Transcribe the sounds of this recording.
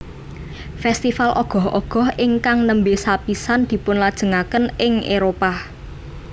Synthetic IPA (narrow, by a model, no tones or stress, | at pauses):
fɛst̪ifalʔɔ̰ɡ̥ɔ̤hʔɔ̰ɡ̥ɔ̤hɪŋkaŋnəmbesapisand̪̥i̤pʊnlad̥ʒ̥ə̤ŋakənɪŋeɾopa